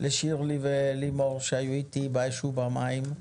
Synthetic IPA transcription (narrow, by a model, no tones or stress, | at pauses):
lʔeʃiʁlivelimoʁʃeajuit̪ibajʃubamaim